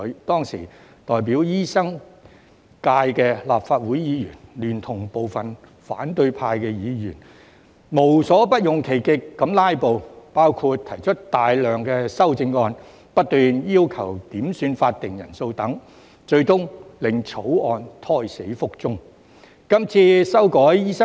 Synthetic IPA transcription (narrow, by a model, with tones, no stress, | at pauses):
t̪ɔː˥ŋsḭ˨˩ | t̪ɔː˨˩jp̬iː˨˥wjiː˥sɐ˥ŋ | kaː˧jkɛː˧laː˨p̚faː˧t̚wuː˨˥jjiː˨˧˥jyː˨˩nlyː˨˩nt̪ʰʊ˨˩ŋpo˨wfɐ˨n | faː˨˥nt̪ɵ˧ɥpʰaː˧jkɛː˧jiː˨˧jyː˨˩n | mo˨˩wsɔː˨˥pɐ˥t̚jʊ˨˩ŋkʰe˨˩jkɪ˨kːɐ˨˥mlaː˥jpo˨˧wpaː˥wkʰu˧t̚t̪ʰɐ˨˩jt͡ʃʰɵ˥t̚t̪aː˨jlœː˨ŋkɛː˧sɐ˥wt͡sɪ˧ŋːɔː˧n | pɐ˥t̚t̪yː˨njiː˥wkʰɐ˨˩wt̪iː˨˥msyː˧nfaː˧t̚t̪ɪ˨ŋjɐ˨˩nso˧wt̪ɐ˨˥ŋ | t͡ʃɵ˧ɥt̪ʊ˥ŋlɪ˨ŋt͡sʰo˨˥wɔː˧nt̪ʰɔː˧˥jse˨˥jfʊ˥k̚t͡sʊ˥ŋ | kɐ˥mt͡sʰiː˧sɐ˥wkɔː˨˥jjiː˥sɐ˥